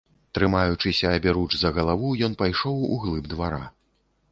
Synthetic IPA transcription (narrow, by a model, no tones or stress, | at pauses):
t̪ɾɨmajut͡ʂɨsʲɐːbʲɛɾut͡ʂzɐɣɐlˠavujɔnpajʂɔwṵɣlˠɨbd̪vaɾa